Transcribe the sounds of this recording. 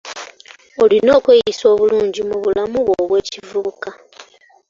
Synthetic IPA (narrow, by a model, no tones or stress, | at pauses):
o̞lino̞ːkwejiso̞ːβuluːɲɟimuβulamuβwoːβwe̞ːcivuuka